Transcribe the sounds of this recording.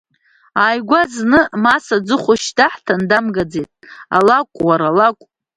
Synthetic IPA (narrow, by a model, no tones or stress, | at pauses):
aːjɡʷaznɨmasad͡zɨχʷʊʃdaħtʰandamɡad͡ze̞jtʼa̰lakʷʼwaɾalakʷʼ